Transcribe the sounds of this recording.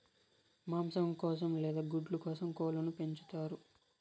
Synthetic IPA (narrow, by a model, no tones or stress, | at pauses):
maːmsɐmkɔːsɐmlɛːd̪aːɡuɖlukɔːsɐmkɔːlɐnupe̞ɲt͡ʃu̥t̪aːɾu